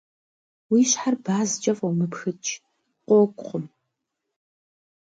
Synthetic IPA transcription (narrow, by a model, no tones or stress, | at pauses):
wiːɕħarbaːzt͡ʃʼɐfɐwmɨpxɨt͡ʃʰʼ | qʷɔkʷʼχʊm